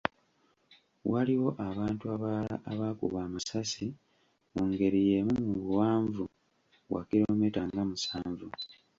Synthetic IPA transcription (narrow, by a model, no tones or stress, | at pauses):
waliwo̞ʔaβaːntuaβala̰ʔaβaːkṵβaːmasasi | muːŋɡe̞ɾijemumuβwaːɱvu | wa̰kiɾo̞metaŋɡamusaːɱvu